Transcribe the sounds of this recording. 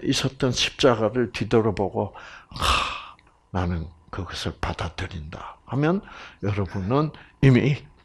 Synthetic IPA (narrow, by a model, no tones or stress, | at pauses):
ʔis͈ʌt̚t͈ʌnɕʰi̥p̚t͡ɕ͈aɡaɾɯɭtidʌɾʌboɡo | nanɯnkɯɡʌsʰɯɭpad̥adɯɾinda̰hamjʌnjʌɾʌbunɯnimi